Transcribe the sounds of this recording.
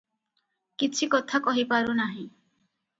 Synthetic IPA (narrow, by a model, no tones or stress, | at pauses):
kit͡ʃʰikɔt̪ʰakɔɦipaɾunaɦĩ